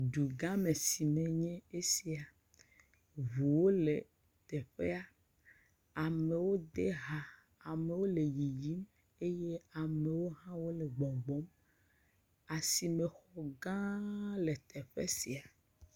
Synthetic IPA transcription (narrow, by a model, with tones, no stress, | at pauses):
ɖu˨ɡã˦mẽ˨si˨mẽ˨ɲɛ̃˦e˦si˨a˨ | vu˨wo˦le˨ | t̪ɛ˨ɸe˦a˨ | a˨me˨wo˦d̪e˦ɦa˨ | a˨me˨wo˦le˨ji˨ji˦m | e˦je˦a˨mẽ˨wo˦ɦã˦wo˦le˨ɡ͡bɔ˨ɡ͡bɔ˦m | a˨si˨me˨xɔ˨ɡã˦le˨t̪ʰe˨ɸḛ˦si˨a˨